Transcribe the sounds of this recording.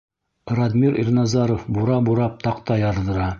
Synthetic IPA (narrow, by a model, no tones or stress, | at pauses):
ɾad̪miɾḭrnɑzɑɾofbuɾɑbuɾɑp̚t̪ɑqt̪ɑjɑɾðɤ̆ɾɑ